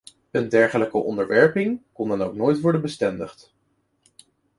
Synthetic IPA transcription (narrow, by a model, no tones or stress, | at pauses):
əndɛɹχələkəʔɔ̰ndəɹʋɛɹpɪŋkɔndɑnowknoːjtʋɔɹdənbəstɛndə̰χt